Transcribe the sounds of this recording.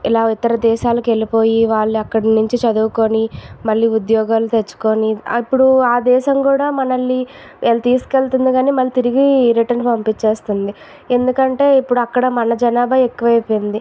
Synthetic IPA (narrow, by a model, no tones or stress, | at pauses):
ilaːit̪ɐɾɐd̪ɛːʃaːlɐke̞lipo̞ːjiʋaːɭːiɐkːɐɽɐnuɲt͡ʃit͡ʃɐd̪uːko̞nimɐɭːiːud̪jɔːɡaːlut̪et͡ʃːu̥ko̞ːniipːuɽuaːd̪ɛːʃɐmkuːɽaːmɐnɐlːi | ʔeːlːɐt̪iːsu̥kelt̪und̪iɡaːniːmɐlːit̪iɾiɡiɾiʈɐɾnpɐmpit͡ʃːe̞ːst̪und̪i | e̞nd̪ukɐɳʈe̞ːipːuɽuɐkːɐɽɐmɐnɐd͡ʒɐnaːbɐekːuʋɐjpoːjnd̪i